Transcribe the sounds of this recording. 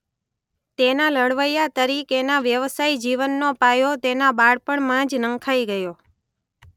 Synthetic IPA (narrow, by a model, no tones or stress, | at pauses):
t̪enaləɽʋəjat̪əɾikenaʋjəʋsaid͡ʒiʋənːopajot̪enabaɽpəɳmãd͡ʒnə̃ŋkʰaiɡəjo